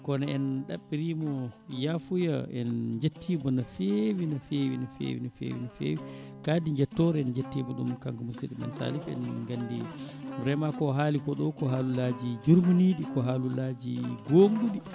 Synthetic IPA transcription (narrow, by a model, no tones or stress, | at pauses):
kɔnaɛnɗaɓːiɾiːmɔjafujaɛ̰nd͡ʒetːibɔnafewinafewinafḛːwinafḛːwḭnafḛːwikaːdiɲd͡ʒɛtːɔɾɛɛnd͡ʒetːiːbɔɗumkaŋɡumusiɗimɛ̰nsa̰lifɛ̰nŋɡandimɾɛmakɔɦaːlikɔɗɔwkɔɦaːlulaːd͡ʒid͡ʒuɾmuniɗikɔɦaːlulad͡ʒiɡoːŋɗuɗi